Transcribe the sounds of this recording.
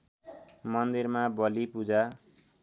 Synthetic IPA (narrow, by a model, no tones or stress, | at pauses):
mʌnd̪irmabʌlipud͡za